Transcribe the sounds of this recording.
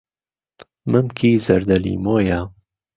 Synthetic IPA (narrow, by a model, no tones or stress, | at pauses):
mɨmkʰiːzɐɾd̪ɐlḭmoːja